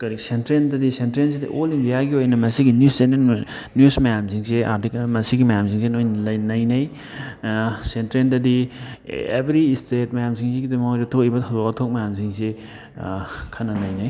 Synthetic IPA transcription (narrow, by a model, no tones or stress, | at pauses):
kɐɾisentɾendɐdisentɾens̬edɐ̰ʔolindijaɡiojnɐmɐsiɡinjussenen | njusmɐjamsiŋsea̰ɾtikamɐsiɡimɐjamsiŋsenojnɐlɐjnɐjnɐj | sentɾendɐdi | ebɾistet̚mɐjamsiŋsiɡidimɐojɾɐtʰoibɐtʰɐzokɐtʰok̚mɐjamsiŋse | kʰɐnːɐnɐjnɐj